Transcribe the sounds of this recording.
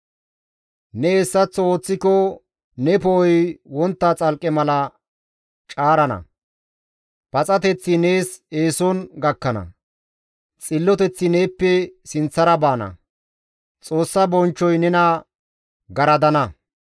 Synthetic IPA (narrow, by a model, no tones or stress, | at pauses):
nɛɛsːɐt͡sːɔoːt͡sːɪkɔ | nɛpɔɔjwɔnt̪ːat͡sʼɐlkʼɛmɐlɐ | t͡ʃʼaːɾɐnɐ̰ | pɐt͡sʼɐt̪ɛt͡sːɪne̞ːse̞ːsɔnɡɐkːɐnɐ̰ | t͡sʼɪlːɔt̪ɛt͡sːɪne̞ːpːɛsɪnt͡sːɐɾɐbaːnɐ̰ | t͡sʼo̞ːsːɐbɔnt͡ʃːɔjnɛnɐ | ɡɐɾɐd̪ɐnɐ